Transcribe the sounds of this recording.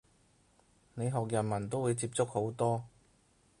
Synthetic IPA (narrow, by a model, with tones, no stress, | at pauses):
ne˨˧jɦɔː˨k̚jɐ˨˩nmɐ˨˩nt̪o˥wuː˨˧jt͡siː˧p̚t͡sʊ˥k̚ho˨˥wt̪ɔː˥